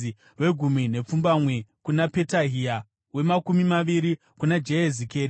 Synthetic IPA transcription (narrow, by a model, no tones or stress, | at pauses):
we̞ɡʱumine̞p͡fumbamwe̞kunape̞taɦia | we̞makumimaʋiɾi | kunad͡ʒeezikeːɾi